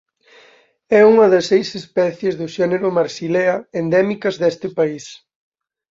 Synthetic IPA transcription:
ɛuŋɐðɐsːejsespɛθjezðʊʃɛneɾʊmaɾsileɐend̪ɛmikɐzðɛst̪ɪpais

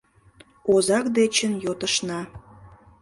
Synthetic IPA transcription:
ozɑkd̪et͡ɕənjot̪əʃnɑ

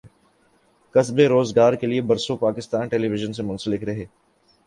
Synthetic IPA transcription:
kɐsbeɾoːzɡaːɾkeliebɐɾsopaːkɪst̪aːnʈeːliʋɪʒənsemʊ̃nsəlɪkɾɐɦeː

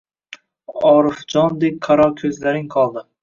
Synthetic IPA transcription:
ɒɾɪfd͡ʒɒnd̪ek̚ʲqʰaɾɒkʲʰɵzlaɾɪŋqʰɒlˠd̪ɪ

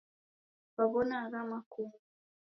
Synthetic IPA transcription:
βaβɔnaːɣamaku

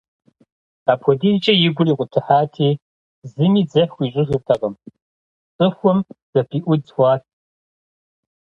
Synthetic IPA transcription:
aːpʰɔdiːt͡ʃʼɐjɪɡʷʊriːqʷʼʊtʰɨħaːtʰeː | zɨmiːd͡zɐxʷiːɕʼɪxɨrtʰɐqɐm | t͡sʼɨxʷɔmz̥ɐpʰiːʔʷʊdxʷɑːtʰ

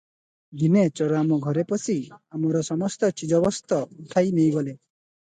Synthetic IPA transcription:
d̪inet͡ʃɔɾamɔɡʱɔɾepɔsiamɔɾɔsɔmɔst̪ɔt͡ʃid͡ʒɔbɔst̪ɔut̪ʰajnejɡɔle

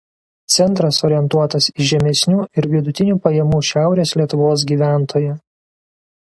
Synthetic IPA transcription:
t̪sʲɛnt̪ɾɐsoːɾʲɪɛnt̪uɔt̪ɐsɪʒʲɛmʲɛsʲnʲuːɪɾʋʲɪd̪ʊt̪ʲɪnʲuːpɐjɛmuːʃʲæˑʊɾʲeːslʲiɛt̪ʊʋoːs̬ɡʲiːʋʲæˑnt̪ʰoːjɛ

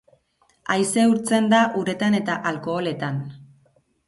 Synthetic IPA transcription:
ajse̞uɾt͡se̞nd̪aʔuɾe̞t̪ane̞t̪aʔalko̞ːle̞t̪an

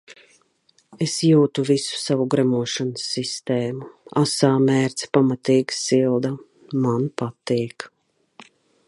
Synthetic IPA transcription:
esjuːt̪uvisu̥savuɡɾamuɔʃansːist̪ɛːmuasaːmɛːɾt̪spamat̪iːɡsilˠd̪a | manpat̪iːk

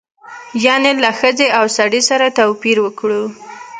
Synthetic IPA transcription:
jɑnelaxəzeawsaɽisaɾat̪awpiɾwəkɽu

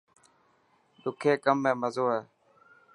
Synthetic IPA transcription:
ɗ̪ʊkʰeːkəmːẽːməzoːɦeː

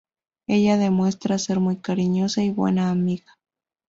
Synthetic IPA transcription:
eʎaðemwe̞st̪ɾaseɾmujkaɾiɲosaiβwḛnaːmiɣḁ

